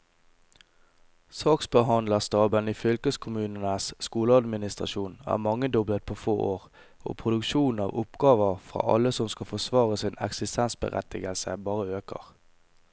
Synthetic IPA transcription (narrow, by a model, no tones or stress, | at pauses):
sɑːksbəɦɑnd̪ləst̪ɑːbəniːfʏlkəskʰʊmʉːnənəsskuːləɑd̪mɪnɪst̪ʁɑ̰ʃuːnæ̰ːʁmɑŋːəd̪ɔblət̪̚pʰoːfo̰ːʔoːʁ | o̰ːpʰʁʊd̪ʉkʃuːn̩ɑ̰ːʋʊpɡɑːʋəʁfʁɑ̰ːʔɑləsɔmskɑfɔsʋɑːʁəsɪnɛ̰ksɪst̪ʰɛnsbə̰ʁɛ̰t̪ɪɡəlsə̰bɑːʁəøːkə̰ʁ